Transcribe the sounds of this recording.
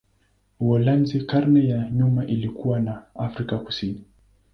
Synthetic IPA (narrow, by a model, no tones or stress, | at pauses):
wɔlanzikaɾnɛjaɲumaʔilikuwanaafɾikaku̥sini